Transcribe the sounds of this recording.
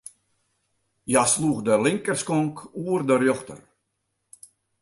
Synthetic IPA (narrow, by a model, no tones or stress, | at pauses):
jasluəxdəlɪŋkərskɔŋkuərdərjɔxtə̰r